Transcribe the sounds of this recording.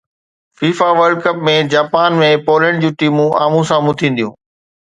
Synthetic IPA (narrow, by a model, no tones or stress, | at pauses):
fiːfaʋəɾɖkɐpmẽd͡ʑaːpaːnmẽpoːlẽɳɖd͡ʑũːʈiːmũʔaːmũsãmʊt̪ʰĩːn̆d̪ijũː